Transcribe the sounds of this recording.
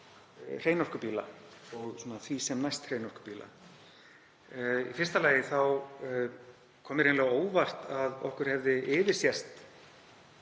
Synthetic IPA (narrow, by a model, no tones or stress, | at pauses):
r̥eːjnɔr̥kʏpiːla̰ɔɣsɔːnaθvisɛmnajst̪r̥ejnɔr̥kʏ̥piːla̰ | ḭfɪrst̪alaːjɪθaw | kʰɔːmɪɾeːnlɛɣaoːwvar̥t̪aðɔ̰hkʏɾ̥hɛvðɪʔɪːvɪɾ̥sjɛst̪